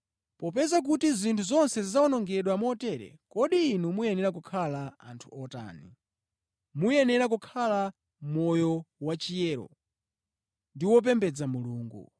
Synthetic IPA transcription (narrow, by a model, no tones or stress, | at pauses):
pɔpɛzak̬utizintʰuzɔnsɛzizaɔnɔŋɡɛɗwamɔtɛɾɛ̰kɔɗiːnumujɛnɛɾak̬ukʰalaa̰ntʰu̥ɔta̰ːni | mujɛnɛɾak̬ukʰala | mɔjɔwat͡ʃijɛːɾɔ̰ | ndiwɔp̬ɛmbɛd͡zamuluːŋɡṵ